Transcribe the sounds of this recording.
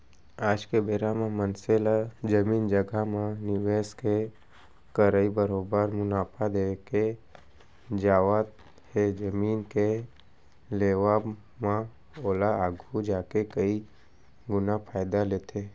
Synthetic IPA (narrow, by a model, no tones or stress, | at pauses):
aːd͡ʒkebeːɾamẽmənselad͡ʒəmiːnd͡ʒəɡamãnɪʋeːske | kəɾəibəɾoːbəɾmʊnaːpʰad̪eke | d͡ʒaːʋat̪ | hed͡ʒəmiːnke | leːʋa | mã | oːlaaːɡʱud͡ʒaːkekəi | ɡʊnapʰaːjd̪aleːt̪ʰe